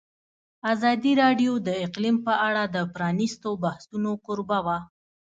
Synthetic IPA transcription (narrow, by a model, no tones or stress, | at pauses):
azɑd̪iɾɑɖjod̪əɪqlimpəʔaɽad̪əpɾɑnist̪obahsunokʊɾbawa